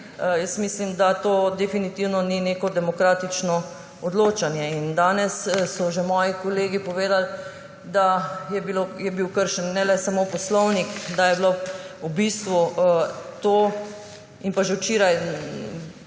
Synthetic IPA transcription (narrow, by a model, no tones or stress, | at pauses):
jəsmislimd̪at̪oːd̪ɛfinit̪iwnɔnineːkɔd̪ɛmɔkɾaːt̪it͡ʃnɔ | ɔd̪loːt͡ʃanjɛind̪aːnɛssɔʒemɔːjikoleːɡipɔʋeːd̪al | d̪ajɛbilojɛbiwkəɾʃɛnːɛlɛsamopɔslɔwnikd̪ajɛbloubist̪ʋu | t̪oː | inpaʒɛwt͡ʃeːɾaj